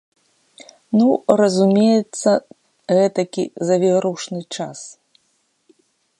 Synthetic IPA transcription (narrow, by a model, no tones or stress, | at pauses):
nuɾɐzumʲejɛt̪sːɐ | ɣɛt̪ɐkʲḭzɐvʲɛɾuwʂnɨt͡ʂas